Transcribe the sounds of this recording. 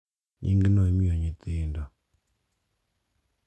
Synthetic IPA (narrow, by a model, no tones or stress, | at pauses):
ɲḭŋɡinɔimiɔɲit̪inda